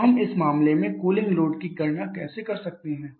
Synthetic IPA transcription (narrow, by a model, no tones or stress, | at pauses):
ɦɐmɪsmaːmlemẽkuːlɪ̃ŋɡloːɖkikɐɾnakɛːsekɐɾsɐk̚t̪eɦɛ̃ː